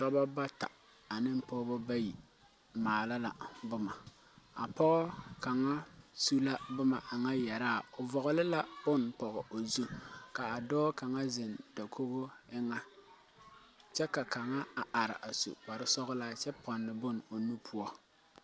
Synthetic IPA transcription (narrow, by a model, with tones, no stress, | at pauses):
tɔ˦ba˦ba˦ta̰˨ | a˨nɪ˦m̩˦pɔː˦bɔ˦ba˦ji˨ | maː˨la˦la˨bʊ˦ma˨ | a˨pɔ˦ɣɔ˦ka˨ŋa˦su˦la˦bʊ˦ma˨ʔa˨ŋa˦jɛ˨ɾaː˦˨o˨vɔ˨ɣɔ˨lɪ˦la˦b̥ʊ˦npɔ˨ɣɔ˨o˨zu˦ka˨a˨dɔː˦ka˨ŋa˦zɪ˨nda˨kʰo˦bo˦ɪ˦ŋa˦ | t͡ʃɛ˦ka˨ka˨ŋa˦a˨ʔa˨ɾɪ̰˨ʔa˨sṵ˨k͡pa˨ɾɪ˦sɔ˦ɣʊ˦la˦t͡ʃɛ˦pɔ˨nlɪ˨bʊ˦n˨o˨nu˦pʰʊ˦ɔ˦